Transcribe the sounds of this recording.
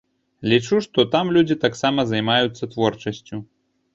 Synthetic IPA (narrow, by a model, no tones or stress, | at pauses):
lʲit͡ʂuʂt̪ɔt̪amlʲud͡zʲit̪aksamɐzɐjmajut̪sːɐt̪vɔrt͡ʂɐsʲt͡sʲu